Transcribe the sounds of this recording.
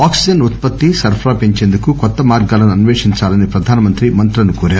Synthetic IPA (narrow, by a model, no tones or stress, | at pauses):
aːksid͡ʒɐnut̪̚pɐt̪ːisɐɾpʰɾaːpiɲt͡ʃeːnd̪ukukɔt̪ːɐmaːɾɡaːlɐnuɐnuʋeːʂiɲt͡ʃaːlɐnipɾɐd̪ʱaːnɐmɐnt̪ɾimɐnt̪ɾɐnukoːɾaːɾu